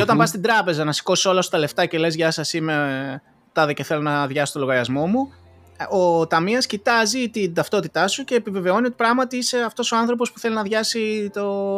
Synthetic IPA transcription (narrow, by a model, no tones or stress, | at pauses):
eo̞t̪ɐmbɐst̪id̪ɾɐpe̞zɐnɐsi̥ko̞si̥so̞lɐsot̪ɐle̞ft̪ɐce̞le̞zʝɐsɐsime | t̪ɐðece̞θe̞lo̞nɐðʝɐsot̪oloɣɐɾiɐzmo̞mu | o̞t̪ɐmiɐscit̪ɐzit̪ind̪ɐft̪o̞t̪it̪ɐsuce̞ːpive̞ve̞o̞nio̞t̪i̥pɾɐɣmɐt̪iiseɐft̪o̞soɐnθɾo̞p̬o̞spu̥θe̞linɐðʝɐsit̪o̞